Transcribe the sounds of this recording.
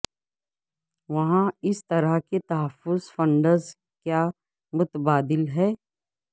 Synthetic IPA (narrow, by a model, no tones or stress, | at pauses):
ʋɐɦãɪst̪ɐɾəɦket̪ɐɦəfːʊzfə̃ɳɖəɾz | kjaː | mʊt̪əbaːd̪ɪlɦɛː